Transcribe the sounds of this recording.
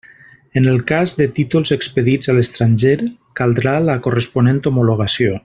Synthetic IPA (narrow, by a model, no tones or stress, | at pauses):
ənəlˠkazðət̪it̪ulˠzəkspəðid͡zaləst̪ɾanʒeɾkalˠd̪ɾaləkurəspunẽnt̪omuloɣ̞asio